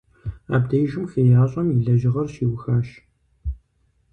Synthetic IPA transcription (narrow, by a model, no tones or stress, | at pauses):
a̰ːbdɐjʒɪmxejaːɕʼɐmjiɮɐʒɪʁɐrʃiːwxaːʃ